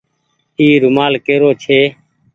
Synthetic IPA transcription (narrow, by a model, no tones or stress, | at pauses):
iːɾʊmaːlkeːɾoːt͡ʃʰeː